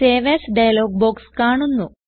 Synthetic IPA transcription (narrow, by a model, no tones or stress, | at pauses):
eːʋesɖɐjloːɡ̚boːkskaːɳunːu